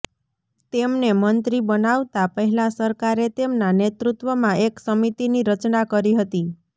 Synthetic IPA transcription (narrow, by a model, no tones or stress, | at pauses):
t̪emnemənt̪ɾibənaʋt̪apəɦɛlasəɾkaɾet̪emnanet̪ɾut̪ʋəmãʔeksəmit̪iniɾət͡ʃnakəɾiɦət̪i